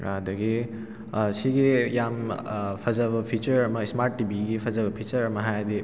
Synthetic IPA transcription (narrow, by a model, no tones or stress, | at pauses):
ad̪ɐɡi | siɡijampʰɐzɐβɐpʰit͡ʃɐɾɐmɐsmaɾtːibiɡipʰɐzɐbɐpʰit͡ʃɐɾɐmɐɦajd̪i